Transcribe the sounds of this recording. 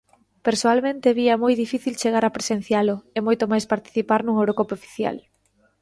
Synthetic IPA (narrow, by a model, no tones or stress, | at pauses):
peɾsoalmẽnt̪eβiɐmojðifiθilt͡ʃeɣ̞aɾapɾesenθjalʊemojt̪omajspaɾt̪i̥θipaɾnuŋowɾokopofi̥θja̰l